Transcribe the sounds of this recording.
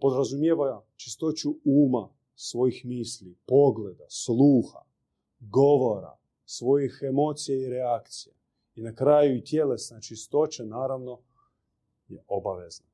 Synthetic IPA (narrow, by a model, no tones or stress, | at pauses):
po̞d̪ɾazumjeʋaja | t͡ʃi̥st̪o̞t͡ʃuuːma | sʋo̞jixmiːslipo̞ɡle̞d̪aslˠuːxa̰ | ɡo̞ʋo̞ɾa̰ | sʋo̞jixemo̞ːt̪sijaiɾeakt̪sijḛ | inakɾaːjuit̪jelesnat͡ʃist̪o̞t͡ɕenaːɾaʋno̞ | jeobaʋezna